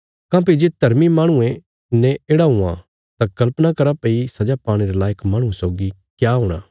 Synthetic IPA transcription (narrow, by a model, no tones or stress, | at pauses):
kãːp̬id͡ʒeːd̪ʱɐɾmimaːɽ̃uẽ | nɛ̃eːɽaɦʊã̰ | t̪akɐlpnakɐɾapeisɐd͡ʒapaːɽ̃eɾelaːjəkmaːɽ̃ũẽsoːɡi | kjaːɦʊːɽ̃a̰ː